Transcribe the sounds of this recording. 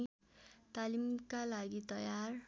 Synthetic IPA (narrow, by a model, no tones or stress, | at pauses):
t̪alimkalaɡit̪ʌjar